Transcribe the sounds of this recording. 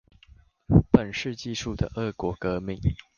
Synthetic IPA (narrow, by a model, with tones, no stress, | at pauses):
pə˨˩nʂɻ̩˥˧t͡ɕi˥˧ʂu˥˩d̪ə̰˩ʔə˥˩kwɔ˨˥˦kə˧˦mi˨˩˦ŋ